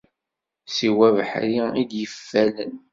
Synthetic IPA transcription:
siwævħɾiid̪jəfːæln

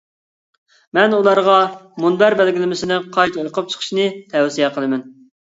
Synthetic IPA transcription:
mɛnulˠɑɾʁɑmunbæɾbælɡʲilɪmɪsɪnɪqʰɑjt̪oɾqʰəp̚t͡ʃʰə̥qʰə̥ʃnɨt̪ʰɛwsijɛqʰəlˠɨmɛn

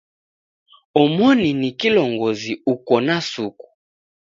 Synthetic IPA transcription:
ɔmɔninikilɔŋɡɔziukɔnasuku̥

